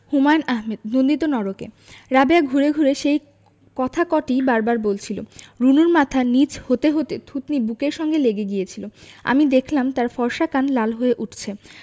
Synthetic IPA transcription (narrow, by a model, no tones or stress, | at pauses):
humanaɦmed̪nond̪it̪onɔɾokḛ | ɾabeaɡʱuɾeɡʱuɾeʃej | kɔt̪ʰakɔʈibaɾbaɾbolt͡ɕʰiloɾunuɾmat̪ʰanit͡ɕhot̪eɦot̪et̪ʰut̪nibukeɾʃɔŋɡeleɡeɡijet͡ɕʰiloa̰mid̪ekʰlamt̪aɾfɔɾʃakanlalɦoeʔuʈʰt͡ɕʰe